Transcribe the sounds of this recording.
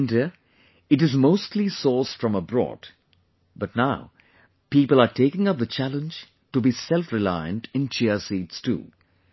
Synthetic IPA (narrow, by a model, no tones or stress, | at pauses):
ndiə | ɨʈɨzmoʊstʰlisɔːsfɹʌ̃məbɾɔ̰ːd̥ | bʌt̚ⁿnaʊ | piːpəlˠatʰeɪkɪ̃ŋʌp̚ðət͡ʃʰælə̃nd͡ʒ | tubisɛlfɹɪlaɪə̰̃ntɪ̃nt͡ʃɛəsiːtstʰṵː